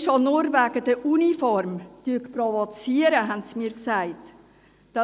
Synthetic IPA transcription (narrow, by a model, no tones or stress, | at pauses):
ʃonʊɾvæɡ̥əd̥əʔunifɔɾmtyəkprɔvɔt͡siəɾəɦɛntsmiːɾksæɪt | d̥ɑ